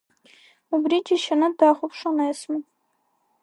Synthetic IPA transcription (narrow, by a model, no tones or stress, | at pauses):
ubrid͡ʒʲiʃanɨdaχʷʊpʰʂanajsmɨ